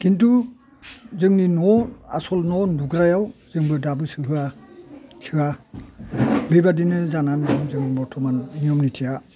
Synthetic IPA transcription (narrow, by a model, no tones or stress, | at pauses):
kintu | zɯŋninɔa̰sɔlnɔnduɡɾajawzɯŋbɯdabɯsɯɦɯa | sʰɯa | bejbadinɯzanandɯŋzɯŋbɔɹtʰɔmanːijɔmnitʰija